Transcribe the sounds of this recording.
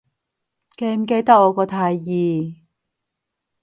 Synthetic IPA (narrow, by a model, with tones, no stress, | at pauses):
ke˧jm̩˨˧k̬e˧jt̪ɐ˥k̚ːɔː˨˧kɔː˧t̪ʰaː˧jːiː˨